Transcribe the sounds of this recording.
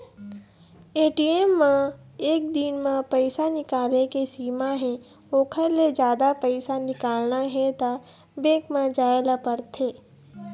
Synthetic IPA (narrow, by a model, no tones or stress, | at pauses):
eːʈiːemːã | eːk̚d̪inmãpəɪsanɪkaːlekesiːmaɦɛ̃ | oːkʰəɾled͡ʒjaːd̪apəɪsanɪkaːlnaɦɛt̪a | bẽːkmãd͡ʒaːelapəɾt̪ʰeː